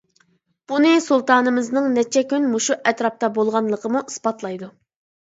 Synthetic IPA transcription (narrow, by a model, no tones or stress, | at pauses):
b̥unɨsulˠt̪ʰɑːnɨmɨznɨŋnɛt͡ʃʰɛkʲynmuʃuʔɛt̪ɾɑp̚t̪ɑbolˠʁɑnlˠəqʰəmuʔisbɑt̪lˠɑjd̪u